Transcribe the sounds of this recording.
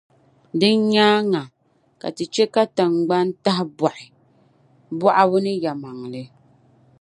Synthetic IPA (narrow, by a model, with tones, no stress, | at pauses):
dɨ˦n˦ɲaː˦ŋa˨ | ka̰˨tɨ˨t͡ʃɛ˦ka˦ta˨ŋ˨ɡ͡ba˦n˦ta˦ɦɪ˦ba˨ʔɪ˨ | bɔ˦ʔa˦bʊ˦nɨ˦ja˨ma˨ŋlɨ˨